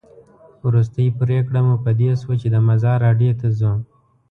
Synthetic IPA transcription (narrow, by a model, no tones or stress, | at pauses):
wɾus̬t̪əjipɾekɽamupəd̪eswat͡ʃed̪əmazɑɾːɑɖjot̪azə